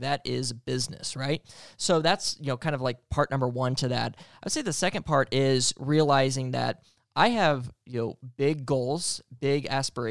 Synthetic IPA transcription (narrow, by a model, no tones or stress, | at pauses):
ðɨɾɪzbɪznɨ̰sɹaɪt̚soʊðætsjɨnoʊkʰãɪ̃ndʌvlaɪk̚pʰɑɹʔⁿnʌ̃mbə˞wʌ̃ntʰɨðæ̰t̚aɪd̥seɪðɨsɛkɨ̃npʰɑɹɾɪzɹiəlaɪzɪ̃ŋðɨ̰ɾ | ʔaɪɨvjɨnoʊbɪɡoʊlˠz̥b̥ɪɡæspə˞e